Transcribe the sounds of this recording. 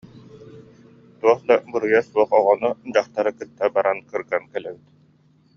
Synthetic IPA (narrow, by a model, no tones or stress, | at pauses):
t̪uɔχd̪abɯɾɯjasuɔχɔʁɔnud͡ʑaχt̪aɾɯkɯt̪ːabaɾankɯɾɡankɛlɛbit̪